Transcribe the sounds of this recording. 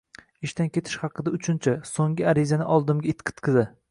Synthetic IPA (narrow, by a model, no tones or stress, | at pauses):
ɪʃt̪ankʲʰe̞t̪ʰɪ̥ʃhɑqɨd̪aʊt͡ʃʰʊnt͡ʃʰasoŋɡʲɪaɾɪzanɪʔɒlˠd̪ɪmɡʲaɪt̪qʰɨ̥t̪qʰɨza